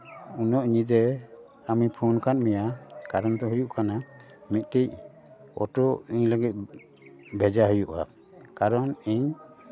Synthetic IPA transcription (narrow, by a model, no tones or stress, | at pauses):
unɔʔɲid̪ɛ | amipʰɔnkanmɛjakaɾɔnt̪ɔɦujuʔkana | mit̪̚ˀʈic̚ | ɔ̰ʈɔiɲləɡɛt̪̚ˀ | bʱɛd͡ʒaɦujuʔa̰ | kaɾɔniɲ